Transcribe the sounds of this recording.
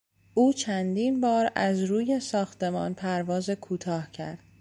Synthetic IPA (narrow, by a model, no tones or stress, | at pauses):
ʔuːt͡ʃʰænd̪iːnbɒːɾæzɾuːje̞sɒːxt̪e̞mɒ̰ːnpʰæɾvɒːzekʰuːt̪ʰɒːhcʰæ̰ɾd̪̥